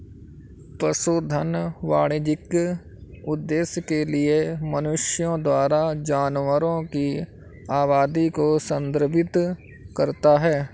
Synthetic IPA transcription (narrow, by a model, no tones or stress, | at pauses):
pɾəsoːd̪ʱənʋaːɽed͡ʒɪk | ʊd̪ːeːsjəkeliemɐnʊʃjõd̪waːɾad͡ʒaːnwəɾõki | aːβaːd̪ikosə̃nd̪əɾbʱɪt̪ | kɐɾt̪aɦɛː